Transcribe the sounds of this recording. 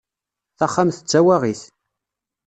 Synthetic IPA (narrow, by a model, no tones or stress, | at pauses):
θaχːamθət͡sːæwæʁiθ